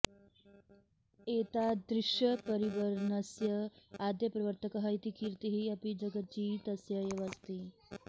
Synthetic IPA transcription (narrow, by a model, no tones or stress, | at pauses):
eːt̪ad̪ɾɪʃjɐpɐɾiʋɐɾnɐsjɐaːd̪jɐpɾɐʋəɾt̪ʰɐkɐɦɐjt̪ikiɾt̪iɦiɐpid͡ʒɐɡɐt͡ʃit̪ɐsjɐjɐʋɐst̪i